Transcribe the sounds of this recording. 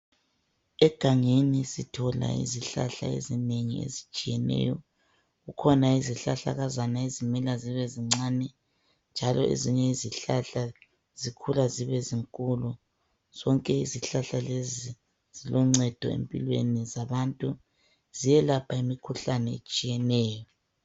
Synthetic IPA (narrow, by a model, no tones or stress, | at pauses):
ɛɡ̥ʱaŋenisitʰɔla̰ḭziɬa̰ɬa̰ḛzineŋḭḛzit͡ʃʼijɛnɛ̰ːjɔ | ɣukʰɔnaiziɬaɬa̰ɣazanaezimɛlaziβɛziŋ͡ǀaːnɛ | nd͡ʒʱalɔʔḛziɲɛiziɬaɬa | z̥ikʰulaziβɛziŋkʼulu | z̥ɔŋkʼɛiziɬaɬalezi | z̥ilɔŋ͡ǀɛd̥ʱɔ̰ḛmpʼḭlwḛnizaβantʼu | z̥ijɛlapʰaimikʰuɬanɛḛt͡ʃʼijɛnɛːjɔ